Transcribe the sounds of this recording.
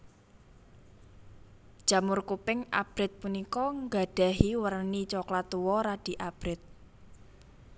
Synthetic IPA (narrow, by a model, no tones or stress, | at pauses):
d̥ʒ̥ä̤mʊrkupɪŋa̰b̥ɾɪt̪̚punikɔŋɡa̤ɖ̥ä̤ɦiwərnit͡ʃɔklat̪uwɔɾaɖ̥i̤ʔab̥ɾɪt̪̚